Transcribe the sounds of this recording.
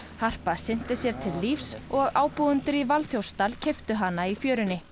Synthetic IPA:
θar̥pasɪn̥t̪ɪsjɛɾ̥t̪ʰɪlːiːfsɔɣaːwpuwʏnt̪ʏɾivalθjowst̪alcʰɛft̪ʏɦanːaifjœːɾʏnːɪ

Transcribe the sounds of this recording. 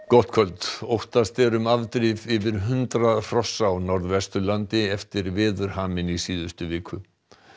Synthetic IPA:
kɔht̪kʰœlt̪owht̪ast̪ɛɾʏmavt̪ɾɪvɪvɪɾɦʏnt̪ɾar̥ɔsːawnɔɾðvɛst̪ʏlant̪ɪɛft̪ɪɾvɪːðʏɾ̥haːmɪnisiːðʏst̪ʏvɪːkʰʏ

